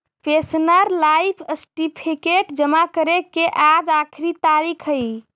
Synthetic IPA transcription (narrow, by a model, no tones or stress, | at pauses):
pesnəɾlajpʰəsʈipʰikeʈd͡ʒəmakəɾekeʔad͡ʒakʰɾit̪aɾikʰəj